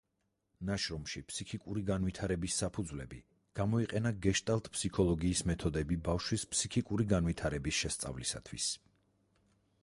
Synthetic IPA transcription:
naʃɾɔmʃipʰsikʰikʼuɾiɡanvit̪ʰaɾɛbisːapʰud̪zvlɛbi | ɡ̥amɔiqʼɛnaɡɛʃt̪ʼalˠt̪ʰʼpʰsikʰɔlˠɔɡiːsmɛt̪ʰɔd̪ɛbibafʃwispʰsikʰikʼuɾiɡanvit̪ʰaɾɛbisʃɛst̪sʼa̰vlisa̰t̪ʰwḭs

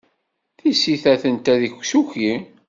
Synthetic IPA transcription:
θisiθæθənt̪æðiçsuçi

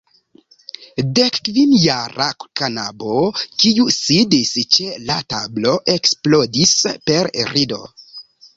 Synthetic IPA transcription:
dekːvinjaɾa̰kanabokiusidist͡ʃelatablo̞ʔe̞ksplo̞dispe̞ɾɾido̞̰

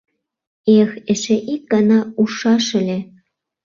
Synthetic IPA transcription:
exɘ̆ʃĕʔik̚ɡɑnɑuʃɑʃɘ̆lʲe

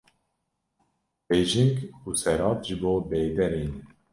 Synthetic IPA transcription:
b̥eːʒiŋɡusɛɾɑːt̪ʒɨboːbeːd̪ɛɾiːn

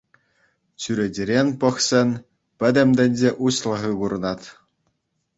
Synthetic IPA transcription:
t͡ɕyɾʲĕdʲĕɾʲenʲpɤ̆χsʲɘ̆nʲ | pʲɘ̆d̪ʲɘ̆mʲd̪ʲɘ̆nʲd͡ʑeʔuɕlˠɤ̆ʁɯɡuɾɤ̆nɑt̪ʲ

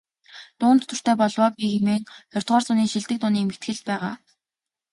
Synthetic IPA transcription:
t̪ʊːnt̪ːʰɵr̥t̪eːpɔɮwɔːpʲixemeːŋxɔr̥ʰʲt̪ʁɔːrsʊniːŋʃiɮt̪ɘ̆k̚t̪ʊːniːmet̪ɡɘ̆ɮt̪̚pæːʁaː

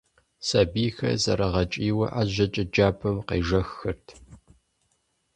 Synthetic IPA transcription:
sɐbiːxɐ̰zɐɾɐʁɐt͡ʃʼiːwɐʔaːʑɐt͡ʃʼɪd͡ʒaːpʰɐmqḛːʒɐxːɨrtʰ

